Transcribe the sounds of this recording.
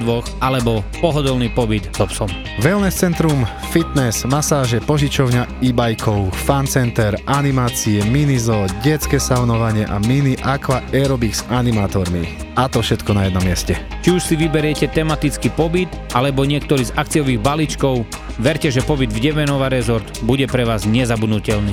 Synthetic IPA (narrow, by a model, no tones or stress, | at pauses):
d̪ʋɔxalɛbɔpɔɦɔd̪ɔlniːpɔbid̪z̥ɔpsɔm | ʋɛlnɛst͡sɛnt̪ɾum | fit̪nɛsmasaːʒɛpɔʒit͡ʃɔʊɲaibajkʰɔʊfant͡sɛnt̪ɛɾanimaːt͡siɛminizɔɟɛt͡skɛsaʊnɔʋaɲɪɛʔaminiʔakʋaɛɾɔbiksanimaːt̪ɔɾmḭ | at̪ɔfʃɛt̪kɔnajɛd̪nɔmːɪɛscɛt͡ʃiuʃsiʋibɛɾɪɛcɛt̪ɛmat̪it͡skipɔbit̪ | ʔalɛbɔɲɪɛk̚t̪ɔɾiːzak̚t͡siɔʋiːɣbalit͡ʃkɔʊ | ʋɛɾcɛʒɛpɔbid̪vɟɛmɛnɔʋaɾɛzɔɾd̪buɟɛpɾɛʋaːzɲɛzabud̪nucɛlniː